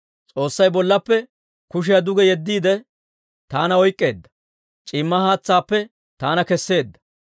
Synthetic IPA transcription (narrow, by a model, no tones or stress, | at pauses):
t͡sʼo̞ːsːɐjbɔlːɐpːɛ | kʊʃ̬ɪjɐd̪ʊɡɛjɛd̪ːiːd̪ɛ | t̪aːnɐɔjkʼːe̞ːd̪ːɐ̥ | t͡ʃʼɪmːɐhaːt͡sːaːpːɛ | t̪aːnɐkɛsːe̞ːd̪ːɐ̥